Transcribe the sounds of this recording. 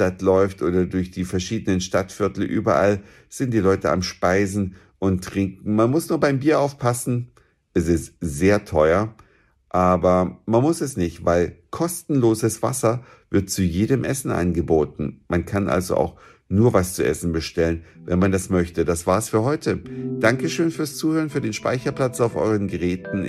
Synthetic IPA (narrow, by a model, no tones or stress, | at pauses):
atlɔʏftʔoːdɐdʊɐçd̥iːfɛɐʃiːdənənʃtatfɪɐtl̩ʔy̰ːbɐʔal | z̥ɪnt̚d̥iːlɔʏtəa̰mʃpaɪzn̩ | ʔʊntːʁ̥ɪŋkŋ̩manmʊsnuːɐbaɪmbiːɐʔaʊfpʰasn̩ | ʔɛsɪstz̥eːɐtʰɔʏɐ | ʔaːbɐmanmʊsɛsnɪçtvaɪlkʰɔstn̩loːzəsv̥a̰sɐ | v̥ɪɐt̚t͡sujeːɾəmʔɛsn̩ʔa̰nɡəboːtn̩mankʰanʔa̰lzo̰ʔa̰ʊx | nuːɐvast͡suʔɛ̰sn̩bəʃtɛlənvɛnmandasmœçtədasv̥aːɐsfyːɐhɔʏtʰəd̥aŋkəʃøːnfyːɐst͡suːhøːʁənfyːɐdeːnʃpa̰ɪçɐpl̥at͡saʊfʔɔ̰ʏʁənɡəʁɛːtn̩